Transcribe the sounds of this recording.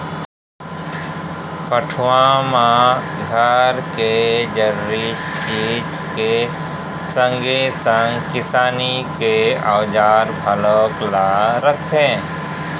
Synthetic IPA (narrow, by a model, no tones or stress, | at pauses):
pəʈʰwãmãɡʱəɾked͡ʒəɾɾi | t͡ʃit͡ʃ | ke | sə̃ŋɡesə̃ŋɡkɪsaːnikeawd͡ʒaːɾbʰʱaloklaɾək̚ẽː